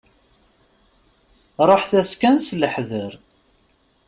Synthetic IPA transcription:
ɾˤoħθæskænsləħðəɾ

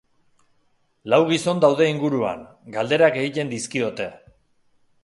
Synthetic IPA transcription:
lawɣ̞iso̞nd̪awð̞e̞iŋɡuɾua̰ŋ | ɡald̪e̞ɾake̞ɣit̪e̞nd̪iskiot̪e̞

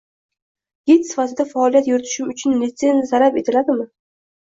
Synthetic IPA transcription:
ɡet̪sɪ̥fat̪ɪd̪afaɒlijat̪jʊɾɪt̪ʰɪ̥ʃɪmʊt͡ʃʰʊnlɪt̪senzaɾape̞t̪ʰɪlad̪ɪmɪ

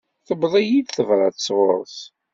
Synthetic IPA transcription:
θəbðˤæjid̪θəvɾˤɑθə̥sˤʁʊ̰ɾˤθ

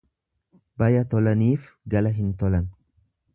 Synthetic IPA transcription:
bɐjɐt̪ɔlɐniːf | ɡɐlɐɦɪnt̪ɔlɐn

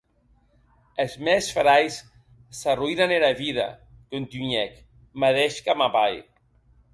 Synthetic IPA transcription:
ezmɛsfɾajsː | aruinaneɾaβiða̰kont̪yɲɛk | maðɛʃkamapaj

